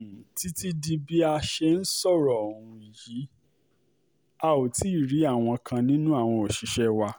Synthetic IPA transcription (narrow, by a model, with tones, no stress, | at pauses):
ti˦ti˦di˧bi˦a˧ʃɛ˧n̩˦sɔ˦˨ɾɔ˨ũ˧˨ji˨˦ | a˧o˨ti˨˦˨ɾi˨˦a˦˨w̃ɔ̃˧kʰã˧nĩ˦nũ˦a˦˨w̃ɔ̃˧o˨ʃi˨˦ʃɛ˦wa˧